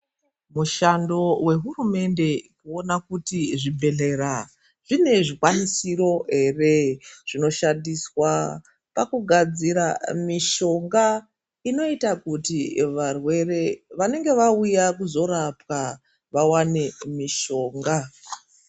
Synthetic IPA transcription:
muʃando̞we̞ɦurume̞nde̞kuo̞nakutiʐibʱe̞ɮe̞ra | ʐ̥ine̞ʐikwanisiro̞ɦe̞reʐ̥ino̞ʃandiswa | pakuɡʱad͡ziɾamiʃo̞ŋɡa | ino̞itakutiʋarwe̞re̞ʋane̞ŋɡe̞ʋaujakuzo̞ɾapwa | ʋawane̞miʃo̞ːŋɡa

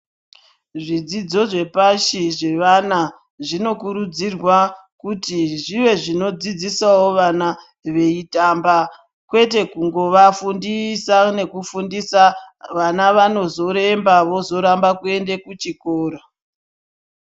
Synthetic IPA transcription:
ʐid͡zid͡zo̞ʐe̞paʃiʐe̞ʋana | ʐino̞kuɾud͡zirwa | kutiʐiʋe̞ʐino̞d͡zid͡zisawoʋana | ʋe̞itamba | kwe̞te̞kuŋɡo̞ʋafundisane̞kufundisaʋanaʋano̞zo̞ɾe̞mbaʋo̞zo̞ɾambakue̞nde̞kut͡ʃikoːra

